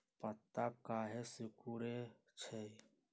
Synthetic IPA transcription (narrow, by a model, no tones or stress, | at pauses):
pət̪ːaːkaːɦeːsɪkuːɾeː | t͡ʃʰeː